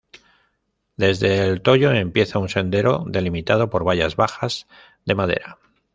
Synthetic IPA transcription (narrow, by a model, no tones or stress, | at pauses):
d̪e̞zðe̞ːlt̪o̞ʝo̞e̞mpje̞θaunse̞nd̪e̞ɾo̞̰ðe̞limit̪aðo̞po̞ɾβ̞aʝazβaxaz̥ | ðe̞maðe̞̰ɾa